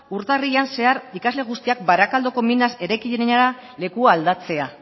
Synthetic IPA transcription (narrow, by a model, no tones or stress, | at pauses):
uɾt̪arianse̞aɾikazle̞ɣ̞ust̪iak̚baɾakald̪o̞ko̞minase̞ɾajkiʎeenaɾa | le̞kuaːld̪at͡se̞a